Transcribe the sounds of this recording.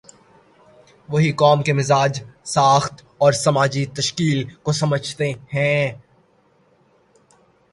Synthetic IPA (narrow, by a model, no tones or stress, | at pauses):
ʋɐɦikɔːmkemɪzaːd͡ʒsaːxt̪ | ɔːɾsɐmaːd͡ʒit̪ɐʃkiːlkosɐməd͡ʒʱt̪ehɛ̃ː